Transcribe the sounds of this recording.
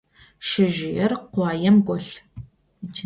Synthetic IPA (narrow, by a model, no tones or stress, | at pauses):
ʃɪʒɪjɛrqʷɑːjɛmɡʷɔɬ | t͡ʃʰ